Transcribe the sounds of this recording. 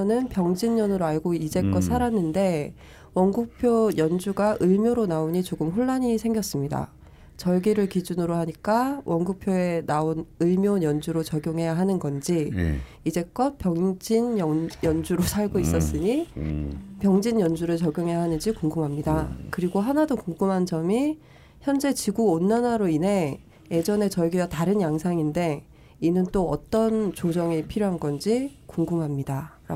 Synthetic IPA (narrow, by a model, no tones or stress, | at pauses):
ʌnɯnpjʌŋd͡ʑiɲːjʌnɯɾoaɭɡoid͡ʑe̞k͈ʌt̚s͈ʰaɾanːɯnde̞ | wʌnɡuk̚pʰjojʌnd͡ʑuɡaʔɯɭmjoɾonaoɲit͡ɕoɡɯmɸuɭːaɲisʰe̞ŋɡjʌs͈ɯmɲida̰ | t͡ɕʌɭɡiɾɯɭkid͡ʑunɯɾoɦaɲik͈awʔʌnɡuk̚pʰjoe̞naonɯɭmjojʌnd͡ʑuɾot͡ɕʌɡjoŋɦe̞jaɦanɯnɡʌnd͡ʑi | id͡ʑe̞k͈ʌp͈jʌŋd͡ʑinjʌjʌnd͡ʑuɾosʰaɭɡois͈ʌs͈ɯɲi | pjʌŋd͡ʑinjʌnd͡ʑuɾɯɭt͡ɕʌɡjoŋɦe̞jaɦanɯnd͡ʑikuŋɡumɦamɲidakɯɾiɡoɦanadokoŋɡumɦand͡ʑʌmi | çjʌnd͡ʑe̞t͡ɕiɡuonːanaɾoinɦe̞ | je̞d͡ʑʌne̞t͡ɕʌɡiataɾɯnjaŋsʰaŋinde̞ | inɯnt͈oʌ̰t͈ʌnt͡ɕod͡ʑʌŋipʰiɾjoɦanɡʌnd͡ʑikuŋɡumɦamɲidaɾa̰